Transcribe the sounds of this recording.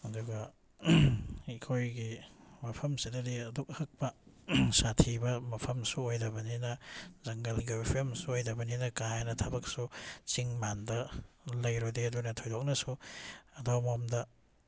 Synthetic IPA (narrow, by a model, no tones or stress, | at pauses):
ɐduɡɐ | ekʰojɡimapʰɐmsidɐdiɐduk̚hɐk̚pɐ | satʰibɐmɐpʰɐmsuojdɐbɐninɐzɐŋɡɐlɡipʰomsuojdɐbɐninɐkajanɐtʰɐbɐk̚sut͡ʃiŋmandɐ | lɐjɾodeɐdunɐtʰojdok̚nɐsuɐdowmomdɐ